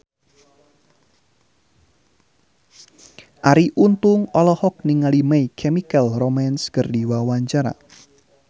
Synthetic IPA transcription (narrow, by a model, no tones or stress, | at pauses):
ʔaɾiʔunt̪ʊŋɔlɔhɔk̚niŋalimaikʰɛmikəlromanskərdiwawaɲt͡ʃaɾa̰